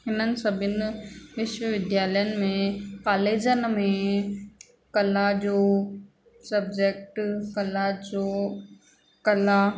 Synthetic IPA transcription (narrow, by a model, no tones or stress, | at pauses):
ɦɪnənɪ̆sɐbʱɪnʋɪʃʋəʋɪd̪jaːləjənɪ̆mẽkaːleːd͡ʑənmẽ | kɐlad͡ʑoː | sɐbd͡ʑek̚ʈkɐlad͡ʑoː | kɐla